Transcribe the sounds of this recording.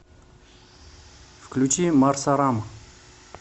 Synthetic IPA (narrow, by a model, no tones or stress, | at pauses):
fklʲut͡ɕimarsaɾam